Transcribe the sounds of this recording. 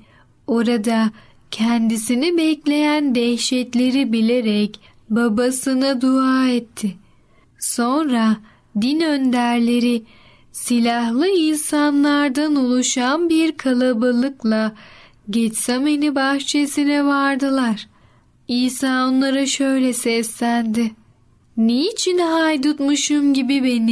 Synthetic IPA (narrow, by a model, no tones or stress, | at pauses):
o̞ɾad̪a | cʰɛnd̪isinibɛclʲe̞jænd̪ɛhʃɛt̪lʲe̞ɾibilʲe̞ɾɛc | babasɯnad̪uaːɛt̪ʰːɪ | so̞nɾa | d̪inønd̪æɾlʲe̞ɾi | silʲahlˠɯinsanlˠaɾd̪anolˠuʃanbiɾkʰalˠabalˠɯklˠa | ɟɛt͡ʃsɛmenibaxt͡ʃʰesinɛvaɾd̪ɯlˠaɾ̥ | iːsaːo̞nlˠaɾaʃø̞jlʲɛsɛslʲænd̪ɪ | niːt͡ʃʰinɦajd̪ut̪muʃumɟibibe̞ni